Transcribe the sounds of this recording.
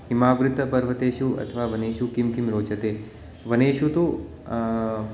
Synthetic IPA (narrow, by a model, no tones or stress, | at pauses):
ɦimaːʋɾɪt̪ɐpɐɾʋɐt̪eːʃuɐ̰t̪ʰɐʋaːʋɐneːʃukimkimɾoːt͡ʃɐt̪eː | ʋɐneːʃut̪u